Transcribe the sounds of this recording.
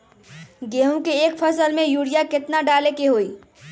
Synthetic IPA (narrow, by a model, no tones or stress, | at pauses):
ɡeɦũkeːk̚pʰəsəlmejuɽijaket̪naɖalekeɦoi